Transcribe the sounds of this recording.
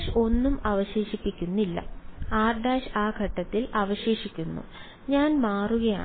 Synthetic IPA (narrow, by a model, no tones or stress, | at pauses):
ʂo̞nːumɐʋɐɕeːɕipːikʲːunːilːɐ̰aːrɖaːɕaːɡʱɐʈːɐt̪ːilɐʋɐɕe̞ːɕikʲːunːṵ | ɲaːnmaːruɣɐja̰ː